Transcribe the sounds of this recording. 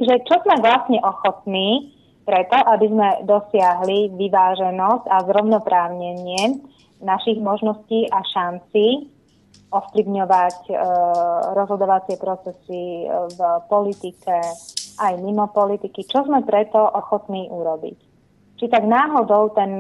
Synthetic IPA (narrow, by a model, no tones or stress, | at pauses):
t̪aʒɛt͡ʃɔzmɛʋlasɲɛʔɔxɔt̪niː | pɾɛt̪ɔʔabizmɛd̪ɔsɪaɦliʋiʋaːʒɛnɔscazɾɔʊnɔpɾaːʊɲɛɲɪɛ | naʃiɣmɔʒnɔsciːʔaʃant͡si | ɔfpliʊɲɔʋac | ɾɔzɦɔd̪ɔʋat͡sɪɛpɾɔt͡sɛsivpɔlit̪ikɛʔajmimɔpɔlit̪ikit͡ʃɔzmɛpɾɛt̪ɔʔɔxɔt̪niːʔuɾɔbḭc | t͡ʃit̪aɡnaːɦɔd̪ɔʊt̪ɛn